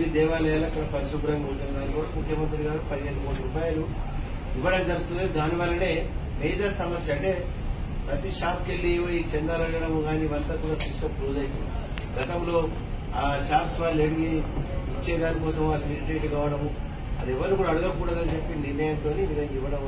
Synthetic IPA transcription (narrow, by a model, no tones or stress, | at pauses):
id̪ɛːʋaːlɐjaːlɐɐkːɐɽɐpɐɾiʃuɡɾɐŋɡɐunt̪unɐd̪aːnikuːɽɐmukʰjɐmɐnt̪̬ɾiɡaːɾupɐd̪iɦelumuːʈiɾupaːjɐlu | iʋːɐɽɐmd͡ʒɐɾɡut̪und̪id̪aːniʋɐlːɐne̞ːmɛːd̪ɐɾsɐmɐsjɐɐʈe̞ː | pɾɐt̪iʃaːpkelːiʋojit͡ʃɛnd̪aːlɐɳɐɽɐmuɡaːniːʋɐnt̪ɐkuːɽaːsiʂsɐpɾuːd͡ʒɐjt̪ui | ɡɐt̪ɐmlo̞ː | ʃaːpsʋaːleɽuɡiit͡ʃːɛːd̪aːnikɔːsɐmʋaːlɦiɾiʈeːʈkaːʋɐɽɐmu | ɐ̰d̪ɛʋːɐɾnukuːɽaːɽuɡɐkuːɽɐd̪ɐnit͡ʃe̞pːiniɾnːɐjɐmt̪o̞ːniːʋid̪ɐŋɡɐiʋːɐɽɐm